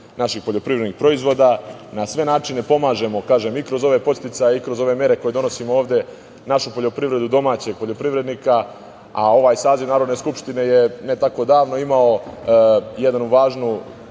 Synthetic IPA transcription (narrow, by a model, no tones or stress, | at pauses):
naʃixpo̞ʎo̞pɾiʋɾed̪nixpɾo̞izʋo̞ːd̪anasʋe̞naːt͡ʃine̞po̞maːʒe̞mo̞kaːʒe̞mikɾo̞zo̞ʋe̞po̞st̪it̪sajeikɾo̞zo̞ʋe̞mje̞ɾe̞ko̞je̞d̪o̞no̞simooːʋd̪e̞ | naʃupo̞ʎo̞pɾiʋɾe̞d̪ud̪o̞maːt͡ɕe̞ɡ̚po̞ʎo̞pɾiʋɾe̞d̪niːka | ao̞ʋaːjsaːziʋnaːɾod̪ne̞skupʃt̪ine̞je̞ne̞t̪ako̞d̪aːʋno̞imao̞ | jed̪anuʋaːʒnu